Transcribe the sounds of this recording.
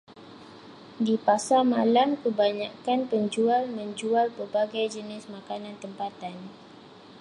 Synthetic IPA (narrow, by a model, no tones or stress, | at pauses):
dipasamalamkəbaɲakanpəɲd͡ʒualmə̃ɲd͡ʒualpərbaɡajd͡ʒənɪsmakanãnt̪əmpat̪an